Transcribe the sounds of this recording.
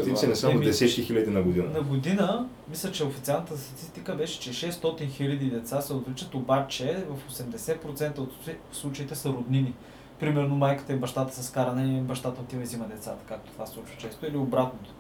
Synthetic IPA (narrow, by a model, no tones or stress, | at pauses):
t̪iɛnɛsamd̪ɛsɛt̪kixilʲɐd̪inɐɡod̪inənɐɡod̪inə | mislʲət͡ʃɛofit̪sialˠnət̪əst̪ɐt̪ist̪ikəbɛʃɛ̥t͡ʃɛʃɛst̪ɔt̪inxilʲəd̪id̪ɛt̪sasɛot̪vlit͡ʃət̪obat͡ʃɛvəfosɛmd̪ɛsɛt̪̚pɾot̪sɛnt̪əot̪ifslˠut͡ʃəit̪ɛsɐɾod̪nini | pɾimɛɾnomajkə̥t̪əibɐʃt̪at̪ə̥sɐskaɾɐnɛbɐʃt̪at̪ət̪ivɐzimɐd̪ɛt̪sat̪ə̥kak̚t̪o̥t̪ovaslˠut͡ʃvə̥t͡ʃɛst̪oiliobɾat̪not̪o̥